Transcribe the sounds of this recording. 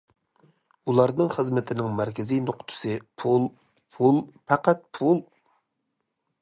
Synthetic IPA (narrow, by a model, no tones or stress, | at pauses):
ulˠɑɾnɨŋχəzmɪt̪ʰɪnɪŋmæɾkʲɪzijnoqt̪ʰʊ̥sɨpʰulˠ | pʰulˠpæqæt̪̚pʰulˠ